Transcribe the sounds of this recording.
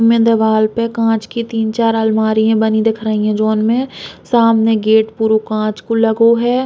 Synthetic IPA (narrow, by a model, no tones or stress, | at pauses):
mẽd̪ɐʋaːlpekãːt͡ʃkit̪iːnt͡ʃaːɾəlmaːɾijẽbɐnid̪ɪkʰɾaːiɛ̃d͡ʒoːnmẽsaːmneɡeːʈpuːɾokãːt͡ʃkolɐɡoɦɛː